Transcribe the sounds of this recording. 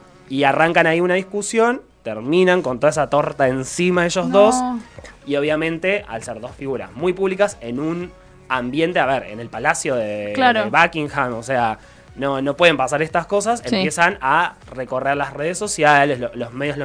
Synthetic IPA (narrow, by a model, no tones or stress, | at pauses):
iaraŋkanaiunaðiskusjo̞n | t̪eɾmĩnãŋkont̪o̞ðaesat̪o̞ɾt̪aensimaðeʃozðo̞sio̞β̞jamẽnt̪e̞a̰lseɾðo̞sfiɣuɾa̰zmujpuβlikase̞nun | ambje̞nt̪eaβeɾe̞̰ne̞lpalasjo̞ðeklaɾoβakiŋxamosea | no̞no̞pweðempasaɾest̪asko̞s̬asempje̞sana | reko̞reɾlasreðesːo̞sjaleslolozme̞ðjolo